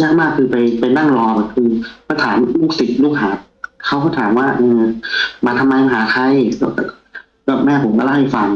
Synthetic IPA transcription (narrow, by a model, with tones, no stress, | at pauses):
jaː˧˥˩k̚maː˥˩kʰːɯː˧pa˧jpa˧jna˥˩ŋɾɔː˧bɛː˨˩p̚kʰɯː˧pʰːt̪ʰaː˩˦mlu˥˩k̚si˨˩t̪̚luː˥˩k̚haː˩˦ | kʰa˥˩wkʰɔː˥˩t̪ʰaː˩˦mwaː˥˩ʔɤː˧˩maː˧t̪ʰa˧mːaː˧ja˧˩ɦaː˩˦kʰa˧jkɔː˧˩ka˧˩ | kɔː˧˩mɛː˧˥˩pʰo˨˩˦mkɔ˧˩la˧˥˩ha˧˥˩jfa˧ŋ